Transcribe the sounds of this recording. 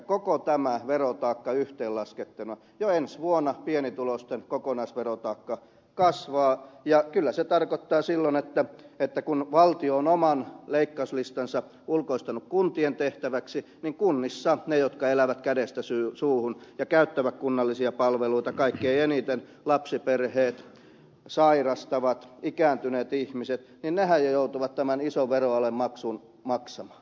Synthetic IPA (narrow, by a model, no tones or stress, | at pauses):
kokot̪æmæʋerot̪ɑːkːɑyht̪eːlɑsket̪ːenuɑ | joensʋuonɑpienit̪ulost̪enkokonɑisʋerot̪ɑːkːɑ | kɑsʋɑːjɑkylːæset̪ɑrkot̪ːɑːsilːonet̪ːæet̪ːækunʋɑlt̪ioonomɑnleikːɑyslist̪ɑnsɑ | ulkoist̪ɑnukkunt̪ient̪eht̪æʋæksi | niŋkunːisːɑnejot̪kɑelæʋæt̪kædest̪æsysuːhunjɑkæyt̪ːæʋækkunːɑlːisiɑpɑlʋeluit̪ɑkɑikːieienit̪en | lɑpsiperheːt̪ | sɑirɑst̪ɑʋɑt̪ikæːnt̪yneːt̪ihmiset̪ninnehæjjjout̪uʋɑt̪t̪æmænisoʋʋeroɑlemmɑksun | mɑksɑmɑ̥ːn